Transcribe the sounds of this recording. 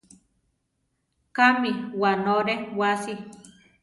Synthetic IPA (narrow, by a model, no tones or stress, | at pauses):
kamiwanoɾewasi